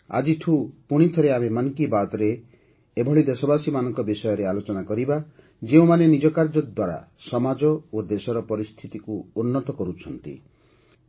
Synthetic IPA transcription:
a̰d͡ʒiʈʰupuɽ̃it̪ʰɔɾeamemankibat̪ɔɾeː | bʱɔɭid̪esɔbasimanɔ̃ŋkɔbisɔjɔɾealot͡ʃɔnakɔɾiba | d͡ʒeũmanenid͡ʒɔkaɾd͡ʒɔd̪waɾa̰ | sɔmad͡ʒɔod̪esɔɾɔpɔɾist̪ʰit̪ikuːnːɔt̪ɔkɔɾut͡ʃʰɔnt̪ḭ

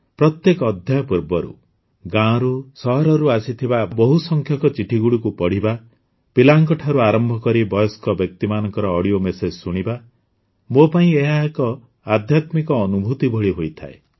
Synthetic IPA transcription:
pɾɔt̪jekɔːd̪ʱjajɔpuɾbɔɾṵ | ɡãɾusɔɦɔɾɔɾuasit̪ʰibabɔɦusɔŋkʰjɔkɔt͡ʃiʈʰiɡuɽikupɔɽ̤iba | pilaŋkɔʈʰaɾuaɾɔmbʱɔkɔɾibɔjɔskɔbjɔk̚t̪imanɔŋkɔɾɔːɽiomesed͡ʒsuɽ̃iba | mopaĩeɦaekɔ | ad̪ʱjat̪mikɔːnubʱut̪ibɔɭiɦojt̪ʰa̰e

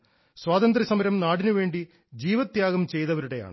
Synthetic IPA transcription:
swaːt̪ɐnd̪ɾisɐmɐɾɐmnaːɽinuʋe̞ːɳɖi | d͡ʑiːʋɐt̪jaːɣɐmt͡ɕe̞jt̪ɐʋɐɾuɽe̞ja̰ːɳɨ

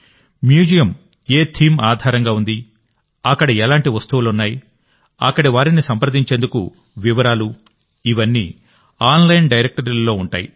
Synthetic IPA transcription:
mjuːd͡ʒijɐm | eːt̪ʰiːmaːd̪ʱaːɾɐŋɡaːund̪i | ɐkːɐɽɐɛlaːɳʈiʋɐst̪uʋulunːaːji | ɐkːɐɽiʋaːɾinisɐmpɾɐd̪iɲt͡ʃeːnd̪ukṵ | ʋiʋɐɾaːlu | iʋɐnːḭː | aːnlɐjnɖɐjɾek̚ʈɐɾllo̞ːuɳʈa̰ːjḭ

